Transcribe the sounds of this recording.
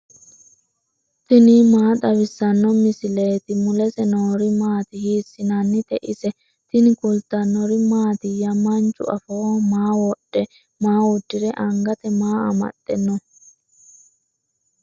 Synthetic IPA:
t̪ɪnimaːt̪ʼɐwɪsːɐnːɔmɪsɪleːt̪ɪmʊlɛsɛnoːɾɪmaːt̪ɪhiːsːɪnɐnːɪt̪ɛʔɪsɛ | t̪ɪnɪkʊlt̪ɐnːɔɾɪmaːt̪ɪjɐmɐnt͡ʃʼːʊ̰ɐfomaːwɔɗːɛ | maːwʊd̪ːɪɾɛʔɐŋɡɐt̪ɛmaːɐ̰mɐ̰t̪ʼːɛnːɔ

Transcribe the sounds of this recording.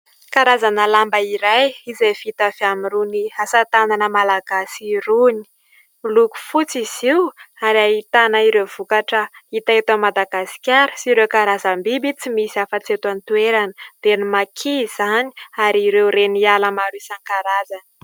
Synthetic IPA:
kaɾazanəlambəiɾajizefit̪afiamiɾuniasat̪ananəmalaɡ̥asiɾuni̥ | luku̥fut͡siz̥iwaɾaɦit̪anəiɾev̥ukaʈ͡ʂəit̪aet̪amːad̪aɡasi̥kʲaɾu̥siɾewkaɾazambibit͡simisiafət͡siet̪ant̪ueɾanəd̪̥enimakʰiz̥ani̥aɾiiɾewɾenialəmaɾusaŋkaɾazanə

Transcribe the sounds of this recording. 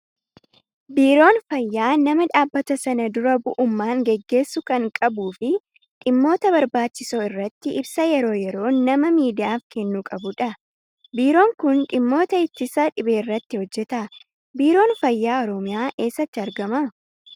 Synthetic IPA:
biːɾo̞ːnfɐjːaːnɐmɐᶑaːbːɐt̪ɐsɐnɐd̪ʊɾɐbʊʔʊmːaːŋɡɛɡːe̞ːsːʊkɐŋkʼɐbuːfɪ | ᶑɪmːo̞ːt̪ɐbɐɾbaːt͡ʃːɪsoːɪrːɐt̪ːɪʔɪbsɐjɛɾo̞ːjɛɾo̞ːnɐmɐmiːd̪ɪjaːfkɛnːuːkʼɐbʊᶑɐ | biːɾo̞ːŋkʊnᶑɪmːo̞ːt̪ɐɪt̪ːɪsɐᶑɪbe̞ːɪrːɐt̪ːɪhɔd͡ʒːɛt̪ɐ | biːɾo̞ːnfɐjːaːɔɾɔmɪjaːʔe̞ːsːɐt̪ːɪɐɾɡɐmɐ

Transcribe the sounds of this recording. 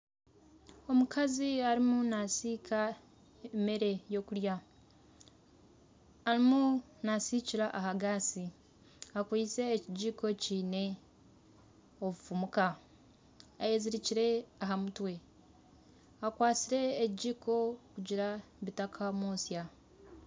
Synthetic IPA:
o̞mukʰaziaɾimunasiːkʰa | eme̞ɾe̞jo̞kuɾja | ɾimu | nasiciɾaʔahaɡasi | akwiːt͡se̞ːciɟiːko̞ciːne̞ | oβufumuka | ajeːziɾiciɾe̞aɦamutwe̞ | akwaːt͡siɾe̞ːciɟiːko̞kuɟiɾaβitakʰamoːsja

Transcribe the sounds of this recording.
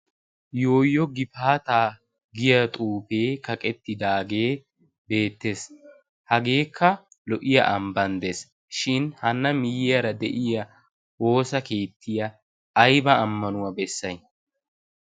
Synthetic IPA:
jo̞ːjːɔɡɪfaːt̪aː | ɡɪjɐt̪ʼuːfe̞ːkɐkʼɛt̪ːɪd̪aːɡe̞ː | be̞ːt̪ːe̞ːs | hɐɡe̞ːkʰːɐ | lɔʔɪjɐ̰ʔɐmbɐnd̪es | ʃɪnhɐnːɐmɪjɪjɐɾɐd̪ɛʔɪjɐ | wo̞ːsɐke̞ːt̪ʰːɪjɐː | jbɐːmːɐnʊwɐbɛsːɐj

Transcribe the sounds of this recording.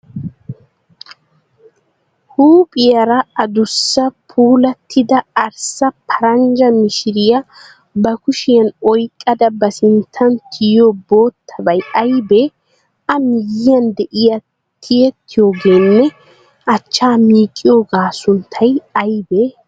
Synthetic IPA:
huːpʼɪjɐɾɐɐd̪ʊsːɐpʰuːlɐt̪ʰːɪd̪ɐɐɾsɐpʰɐɾɐnd͡ʒɐmɪʃɪɾɪjɐ | bɐkʊʃɪjɐnɔjkʼːɐd̪ɐbɐsɪnt̪ʰːɐnt̪ʰɪjobo̞ːt̪ʰːɐbɐjɐjbe | ɐmɪjɪjɐnd̪ɛʔɪjɐ | t̪ʰɪjɛt̪ʰːɪjo̞ːɡe̞ːnːɛ | ʔɐt͡ʃːaːmiːkʼːɪjoːɡaːsʊnt̪ʰːɐjɐjbeː

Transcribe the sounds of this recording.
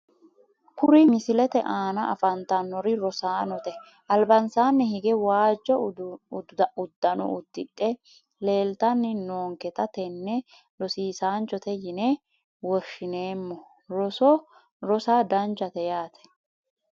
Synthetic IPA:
kʊɾɪmɪsɪlɛt̪ɛʔaːnɐʔɐfɐnt̪ɐnːɔɾɪɾɔsaːnɔt̪ɛ | ʔɐlbɐnsaːnːɛhɪɡɛwaːd͡ʒːɔ | ʊd̪ːɐnɔ̰ʔʊd̪̥ːɪᶑʼːɛ | le̞ːlt̪ɐnːɪnoːŋkɛt̪ɐt̪ɛnːɛ | lɔsiːsaːnt͡ʃɔt̪ɛjɪnɛ | wɔʃːɪne̞ːmːɔ | ɾɔsɔ | ɾɔsaːd̪ɐnt͡ʃɐt̪ɛjaːt̪ɛ̥

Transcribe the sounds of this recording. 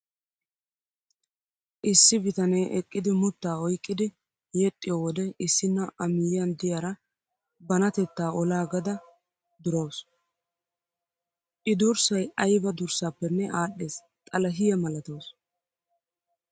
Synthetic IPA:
ʔɪsːɪbɪt̪ɐnɛjʔɛkʼːɪd̪ɪmʊt̪ːaːɔjkʼːɪd̪ɪ | jɛt̪ʼːɪjoːwɔd̪ɛɪsːɪnːɐʔɐmɪjɪjɐnd̪ɪjɐɾɐ | bɐnɐt̪ɛt̪ːaːʔɔlaːɡɐd̪ɐ | d̪ʊɾɐws | ʔɪd̪ʊɾsɐjɐjbɐd̪ʊɾsaːpːɛnːɛʔaːɗːeːs | t̪ʼɐlɐɦɪjɐmɐlɐt̪ows

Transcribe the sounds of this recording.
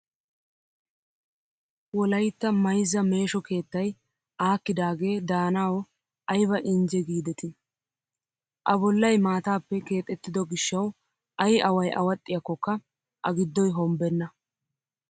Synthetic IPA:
wɔlɐjt̪ːɐmɐjzːɐme̞ːʃɔke̞ːt̪ːɐj | ʔaːkːɪd̪aːɡe̞ːd̪aːnaːwɔ | ɐjβɐʔɪnd͡ʒɛɡiːd̪ɛt̪ɪ | ʔɐbɔlːɐjmaːt̪aːpːɛke̞ːt̪ʼːɛt̪ːɪd̪ɔɡɪʃːɐw | ʔɐjɐwɐjʔɐ̰wɐt̪ʼːɪjɐkːɔkːɐ | ʔɐɡɪd̪ːɔjɦɔmbɛnːɐ

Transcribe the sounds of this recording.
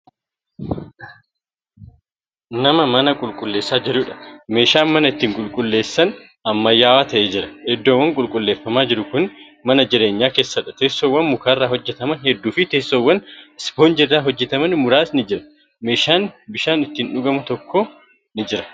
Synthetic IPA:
nɐmɐmɐnɐkʼʊlkʼʊlːe̞ːsːaːd͡ʒɛɾuːᶑɐ̥me̞ːʃaːnmɐnɐɪt̪ːiːŋkʼʊlkʼʊlːe̞ːsːɐn | ɐmːɐjːaːwaːt̪ɐʔeːd͡ʒɪɾɐɛd̪ːoːwːɐŋkʼʊlkʼʊlːe̞ːfːɐmaːd͡ʒɪɾʊkʊn | mɐnɐd͡ʒɪɾe̞ːɲːaːke̞ːsːɐᶑɐt̪e̞ːsːoːwːɐnmʊkaːrːaːɦɔd͡ʒːɛt̪ɐmɐnhɛd̪ːuːfɪt̪e̞ːsːoːwːɐnspoːnd͡ʒɪrːaːɦɔd͡ʒːɛt̪ɐmɐnmʊɾaːsnɪd͡ʒɪɾɐ̥ | me̞ːʃaːnbɪʃaːnɪt̪ːiːnᶑʊɡɐmʊt̪ɔkːoː | nɪd͡ʒɪɾɐ̥

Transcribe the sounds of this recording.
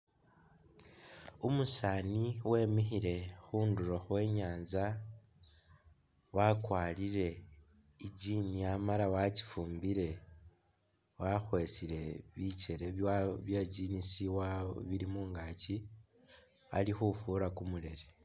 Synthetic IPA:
umusaːniwe̞ːmixiɾe̞xuːnduɾo̞xwe̞ːɲaːnza | wakwaːliɾe̞ | id͡ʒiːniamalawaci̥fuːmbiɾe̞ | waxwe̞siɾe̞βit͡ʃe̞ɾe̞βjaɟinisiwaβilimuːŋɡat͡ʃi | a̰lixufuɾakumule̞ɾe

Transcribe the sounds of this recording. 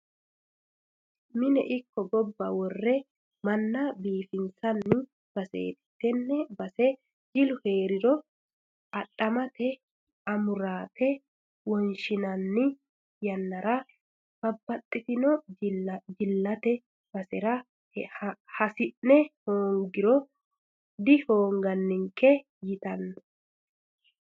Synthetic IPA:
mɪnɛ̰ʔɪkːɔɡɔbːɐwɔrːɛ | mɐnːɐbiːfɪnsɐnːɪ | b̥ɐsḛːt̪ɪ̥t̪ːɛnːɛbɐsɛ | d͡ʒɪlʊheːɾɪɾɔ | ɐɗːɐmɐt̪ɛ | ɐmʊɾaːt̪ʰɛ | wɔnʃɪnɐnːɪ | jɐnːɐɾɐ | b̥ɐbːɐt̪ʼːɪt̪ɪnɔ | d͡ʒɪlːɐt̪ɛ | bɐsɛɾɐ | hɐsɪnːɛhoːŋɡɪɾɔ | d̪ɪhoːŋɡɐnːɪŋkɛ | jɪt̪ɐnːɐ

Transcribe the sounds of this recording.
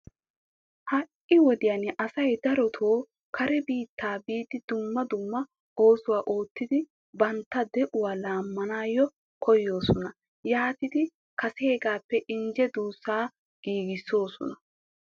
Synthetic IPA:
hɐʔɪwɔd̪ɪjaːnɪʔɐsɐjd̪ɐɾɔt̪ʰoː | kʰɐɾɛbiːt̪ːaːbiːt̪ːɪd̪ʊmːɐd̪ʊmːɐ | o̞ːsʊwaːʔo̞ːt̪ːɪd̪ɪ | bɐnt̪ːɐd̪ɛʔʊwaːlaːmːɐnaːjɔ | kʰɔjːo̞ːsɔnɐ | jaːt̪ɪd̪ɪ | kɐsheːɡaːpːɛʔɪnd͡ʒɛd̪uːsːaː | ɡ̥iːɡɪsːo̞ːsɔ̰nɐ

